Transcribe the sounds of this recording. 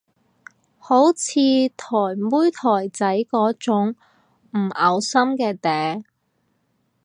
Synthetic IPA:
ho˨˥wt͡sʰiː˧t̪ʰɔː˨˩jmuː˥jt̪ʰɔː˨˩jt͡sɐ˨˥jkɔː˨˥t͡sʊ˨˥ŋ | m̩˨˩ʔɐ˨˧wsɐ˥mkɛː˧t̪ɛː˨˥

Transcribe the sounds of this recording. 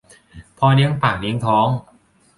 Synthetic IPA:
pʰɔː˧ni˦˥əŋpaː˨˩k̚ni˧˦˥əŋt̪ʰɔː˦˥ŋ

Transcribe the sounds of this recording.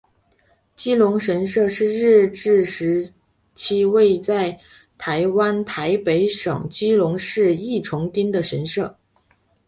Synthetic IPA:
t͡ɕi˥lʊ˧˥ŋʂə˧˥nʂɤ˥˧ʂɻ̩˥˧ɻɻ̩˥˧ʈ͡ʂɻ̩˥˩ʂɻ̩˧˥ | t͡ɕʰi˥we˥˧ɪt͡sa˥˩ɪ | t̪ʰa˧˥ɪwa˥nt̪ʰa˧˥ɪpe˧˥ɪʂɤ̰˨˩ŋt͡ɕi˥lʊ˧˥ŋʂɻ̩˥˧i˥˩ʈ͡ʂʰʊ˧˥ŋt̪i˥nd̪ə˨ʂə˧˥nʂɤ˥˩

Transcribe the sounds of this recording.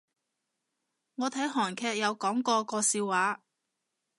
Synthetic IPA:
ŋɔː˨˧t̪ʰɐ˨˥jɦɔː˨˩nkʰɛː˧k̚jɐ˨˧wkɔː˨˥ŋkɔː˧kɔː˧siː˧wwaː˨˥

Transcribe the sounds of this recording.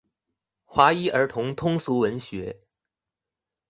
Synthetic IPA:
xwa˧˥i˥ʔə˞˧˥t̪ʰʊ˧˥ŋt̪ʰʊ˥ŋsu˧˥wə˧˥nɕɥɛ˧˥

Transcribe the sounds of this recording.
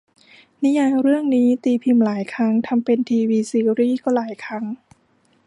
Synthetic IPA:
ni˦˥jaː˧jɾɯ˥˩əŋniː˦˥t̪iː˧pʰi˧mlaː˩˦jkʰɾa˦˥ŋt̪ʰa˧mpe˧nt̪ʰiː˧wiː˧siː˧˥ɾiː˥˩kɔː˥˩laː˩˦jkʰa˦˥ŋ

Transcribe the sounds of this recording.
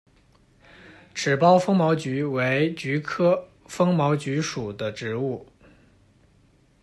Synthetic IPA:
ʈ͡ʂʰɻ̩˨˩pɑ˥ʊfɤ˥ŋmɑ˧˥ʊt͡ɕy˧˥we˧˥ɪt͡ɕy˧˥kʰɤ˥ | fɤ˥ŋmɑ˧˥ʊt͡ɕy˧˥ʂu˨˩d̪ə˦ʈ͡ʂɻ̩˧˥u˥˩

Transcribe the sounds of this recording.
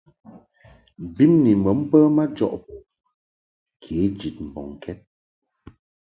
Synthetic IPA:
bi˦mni˨mə˨˦m̩˦pə˦ma˦d͡ʒɔ̰˦˨ʔpɔ˨ | kʰe˨˦d͡ʒi˨t̚m̩˨bɔ̰˨ŋ˨kʰɛ˦t̚

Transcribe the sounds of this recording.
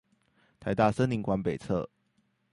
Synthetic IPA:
t̪ʰa˨˧˥ɪt̪a˥˨˩sə˥nli˧˥ŋkwa˧˥npe˨˩ɪt͡sʰɤ̰˥˨

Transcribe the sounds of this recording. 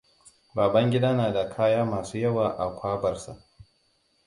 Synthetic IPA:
baː˨bɐ˦ŋɡʲɪ˦daː˦naː˨da˨kʰaː˦jaː˦maː˨suː˦jɐ˦waː˨ʔa˨kʷaː˦bɐ˨rsa̰˨ʔ

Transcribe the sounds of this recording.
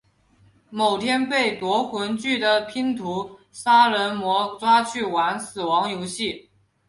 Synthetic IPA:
mo˨˩ʊt̪ʰjɛ˥npe˥˩ɪt̪wɔ˧˥xwə˧˥nt͡ɕy˥˩d̪ə˩pʰi˥ŋt̪ʰu˧˥ | sa˥ɻə˧˥nmwɔ˧˥t͡swa˥t͡ɕʰy˥˩wa˧˥nsɹ̩˨˩wɑ˧˥ŋjo˧˥ʊɕi˥˩

